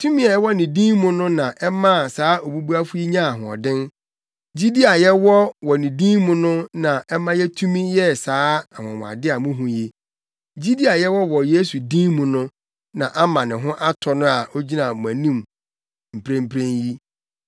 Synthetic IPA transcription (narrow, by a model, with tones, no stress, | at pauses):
tʰu˦mĩ˦a˨jɛ˦wɔ˦nɪ̃˨dĩː˦mʊ̃˦nʊ̃˦nã˨ʔɛ˦mã˦˨saː˨˦ʔo˨bu˦bu˦a˦fu˦ji˦ɲã˦a˨ɦʊ̃˨ɔ̰˨dɪ̃˦n | d͡ʑi˦di˦a˨jɛ˦wɔ˦wɔ˨nɪ̃˨dĩ˦mʊ̃˦nʊ̃˦nã˨ɛ˦mã˦jɛ˦tʰu˦mĩ˦jɛ˦saː˨˦a˨wɔ̃˨a̰˨dɪ˦a˨mʊ̃˦ɦũ˨je˦ | d͡ʑi˦di˦a˨jɛ˦wɔ˦wɔ˨je˦su˨dĩ˦mʊ̃˨nʊ̃˦ | nã˨ʔa˦mã˨nɪ̃˨ɦʊ̃˦ʔa˦tʰɔ˨nʊ̃˦a˨ʔo˦d͡ʑi˦nã˨m˨æ̃˨nĩ˦˨m | m̩˨pʰɾẽ˦m̩˦pʰɾẽ˦nji˦